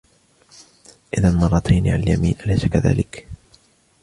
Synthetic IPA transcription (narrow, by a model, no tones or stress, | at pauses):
ʔɪðanmɑrˤːɑt̪ʰajniʕa̰naljamḭːnʔalajsakaða̰ːlɪk